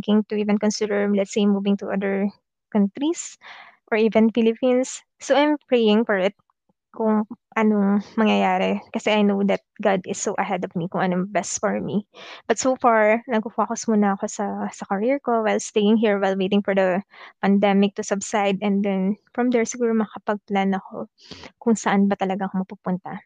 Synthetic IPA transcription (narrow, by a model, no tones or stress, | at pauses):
kɪ̃ŋt̪ʊʔiːvɛ̃nkɔ̃nsulɛɹlɛt̪sejmuvɪ̃ŋt̪ʊʔɐd̪əɹ | kɐnt̪ɾis | ʔɔɹiːvɛ̃nfɪlɪpĩnsː | owʔajmpɹejɪ̃ŋfɔɹɪt̪̚ | kʊŋʔɐnoŋmɐŋjɐjaːɾɛkɐsɛʔajnowd̪ɐt̪̚ɡad̪ɪsːoʔɐɦɛd̪ɔvmikʊŋʔɐnobɛst̪fɔɹmib̥ɐt̪sofaɹnɐɡ̚ufwakosmunɐːko̞sɐsɐkɐɹiɹko̞wajlst̪ejɪ̃ŋɦiɹwajlwejt̪ɪ̃ŋfɔɹd̪ɐpɐnd̪ɛmɪk̚t̪ʊsɐbsajd̪ɛnd̪ɛnfɹɐmd̪ɛɹsɪɡuːɾomɐɐkɐpɐɡ̚planɐko̞̰ | kʊŋsɐʔanbɐt̪ɐlɐɡaʔɐkomɐpupʊnt̪ɐ̰